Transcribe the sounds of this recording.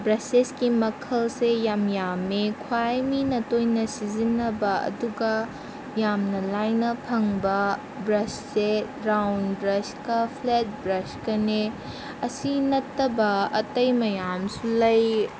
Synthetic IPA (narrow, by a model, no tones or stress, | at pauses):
bɾɐseskimɐkʰɐlsejamjamekʰwajminɐtojnɐsizinːɐbɐɐ̰duɡɐ | jamnɐlajnɐpʰɐŋbɐ | bɾɐsse | ɾawnbɾɐskɐpʰlet̚bɾɐskɐne | ɐsinɐtːɐbɐɐ̰tɐjmɐjamsulɐj